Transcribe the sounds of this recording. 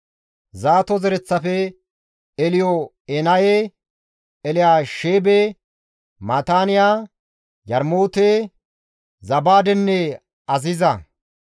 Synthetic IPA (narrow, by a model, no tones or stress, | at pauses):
zaːt̪ɔzɛɾɛt͡sːɐfɛ | ɛlɪjɔ | ɛnɐje | ɛlɪjaːʃeːbe | mat̪aːnɪjaː | jɐɾmoːt̪eː | zɐbaːd̪ɛnːɛ | ɐzɪzɐ